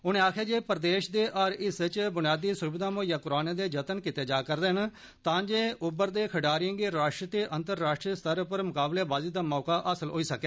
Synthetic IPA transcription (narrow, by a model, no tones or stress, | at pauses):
ʊnẽːaːkʰeːd͡ʒeːpəɾd̪eːʃd̪eːʔəɾɪst͡ʃbʊnɪjaːd̪iːsʊbɪd̪aːmõːjãːkʊɾaːneːd̪eːd͡ʒət̪ənkɪt̪eːd͡ʒaːkəɾd̪eːɦən | t̪ãːd͡ʒeːʊbəɾd̪eːkʰəɖaːɾiəŋɡeɾaːʃʈɾət̪eːʔənt̪əɾːaːʃʈɾiːəst̪əɾpəɾmʊkaːbleːbaːziːd̪aːmɔːkaːʔəsəlɦoːiːsəkɛː